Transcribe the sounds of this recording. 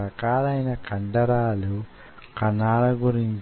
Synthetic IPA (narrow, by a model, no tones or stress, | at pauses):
ɾɐkaːlɐjnɐkɐɳɖɐɾaːlu | kɐnːaːlɐɡuɾiɲt͡ʃ